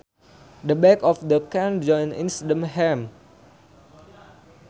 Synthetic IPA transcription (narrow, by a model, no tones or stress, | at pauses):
dəbɛkɔfdəkãnd͡ʒɔ̃nḭ̃nsdə̃mɦɛm